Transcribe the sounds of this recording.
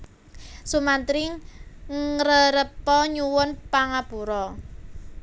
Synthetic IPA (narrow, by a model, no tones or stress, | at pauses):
sumant̪ɾɪŋ | ɾəɾəpɔɲuwʊnpaŋab̥uɾɔ